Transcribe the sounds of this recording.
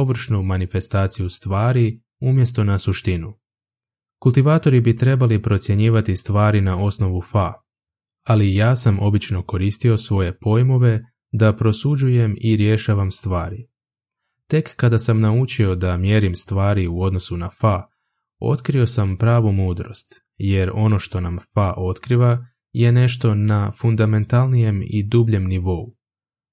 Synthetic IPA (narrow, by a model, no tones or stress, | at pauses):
oʋr̩ʃnumanife̞st̪aːt̪sijust̪ʋaːɾi | umje̞st̪o̞nasuʃt̪inu | kulˠt̪iʋaːt̪o̞ɾibit̪ɾe̞balipɾo̞t̪sʲje̞ɲiːʋat̪ist̪ʋaːɾinao̞sno̞ʋufa | alijaːsamo̞bit͡ʃno̞ko̞ɾiːst̪io̞sʋo̞je̞po̞jmo̞ʋe̞ | d̪apɾo̞sud͡ʒuje̞miɾje̞ʃaːʋamst̪ʋaːɾi | t̪e̞kːad̪asamnaut͡ʃio̞d̪amje̞ɾimst̪ʋaːɾiuo̞d̪no̞sunafa | o̞̰t̪kɾio̞sampɾaːʋumuːd̪ɾo̞̰st̪ | je̞ɾo̞no̞ʃt̪o̞namfaʔo̞t̪kɾiʋa | je̞ne̞ʃt̪o̞nafund̪ame̞nt̪alˠnije̞mḭd̪ubʎe̞mniʋo̞u